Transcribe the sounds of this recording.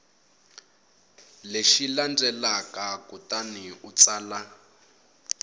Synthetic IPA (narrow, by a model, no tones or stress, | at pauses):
leʃiland͡zɛlakakutaniut͡saːla